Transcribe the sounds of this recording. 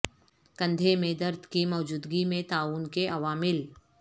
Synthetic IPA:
kə̃nd̪ʱemẽd̪ɐɾd̪ʱkimɔːd͡ʒuːd̪ɡimẽt̪aːuːnkeʔɐʋaːmɪl

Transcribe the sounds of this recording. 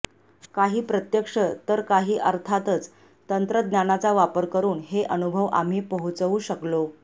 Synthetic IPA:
kaɦiːpɾət̪jəkʂət̪əɾkaɦiːʔəɾt̪ʰat̪ət͡s | t̪ənt̪ɾəd̪njanat͡saʋapəɾkəɾuːnɦeʔənubʱəʋa̰m̤iːpəɦut͡sʋuːɕəklo

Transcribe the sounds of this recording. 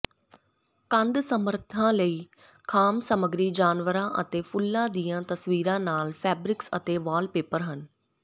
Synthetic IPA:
kə̃nd̪səməɾt̪ʰãːləiː | kʰaːmsəməɡɾiːd͡ʒaːnʋəɾãːʔət̪eːpʰʊlːãːd̪iːjãːt̪əsʋiːɾãːnaːlpʰɛːbɾɪksə̰t̪eːʋaːlpeːpəɾɦən

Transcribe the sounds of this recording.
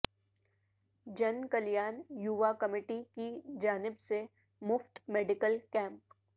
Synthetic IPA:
d͡ʒɐnkɐljaːnjuʋakɐmɪːʈikid͡ʒaːnɪbse | mʊfʈmeːɖɪkəlkɛ̃ːmp̚

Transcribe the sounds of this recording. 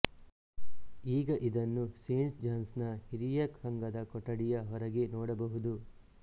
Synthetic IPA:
iːɡɐʔid̪ɐnːuseːnsd͡ʒaːnsnɐhiɾijɐkhɐŋɡɐd̪ɐkɔʈːɐɽijɐɦɔɾɐɡenɔːɽɐbɐɦud̪u

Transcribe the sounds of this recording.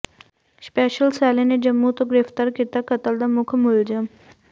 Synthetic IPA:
speːʃəlsɛːlened͡ʒəmːut̪oɡɪɾeft̪əɾkit̪akət̪əld̪amʊkʰmʊld͡ʒəm

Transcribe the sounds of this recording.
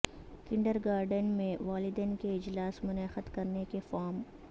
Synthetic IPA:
kɪ̃ɳɖəɾɡaːɾɖənmẽʋaːlɪd̪ɛːnkeɪd͡ʒlaːsmʊnɛːxət̪kɐɾnekefɔːm

